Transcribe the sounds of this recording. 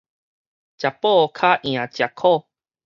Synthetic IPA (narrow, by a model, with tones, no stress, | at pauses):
t͡ɕa˨pːɔ˥˦˨kʰa˦ʔj̃ã˨˩t͡ɕja˨˩kʰɔ˥˧˨